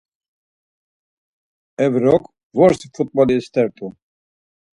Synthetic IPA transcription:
ɛvɾɔkʼ | vɔɾsifut̪̚ʼbɔliɛst̪ʰʼɛɾt̪ʰʼu

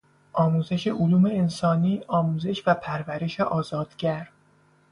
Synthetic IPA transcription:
ʔɒːmuːze̞ʃe̞ʔoluːme̞ensɒːniːʔɒːmuːze̞ʃvæpʰæɾvæɾe̞ʃeʔɒːzɒːd̪̥ɟæɾ

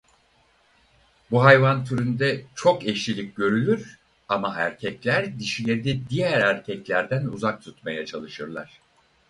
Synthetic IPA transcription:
buɦajvant̪ʰyɾynd̪ɛt͡ʃʰo̞kɛʃlʲilʲic̚ɟø̞ɾylʲyɾ̥ | amaɦæɾcʰɛclʲæɾd̪iʃilʲe̞ɾid̪ɛd̪ijæɾæɾcʰɛclʲæɾd̪ænuzak̚t̪ʰut̪majat͡ʃʰalˠɯʃɯɾlˠa̰ɾ̥

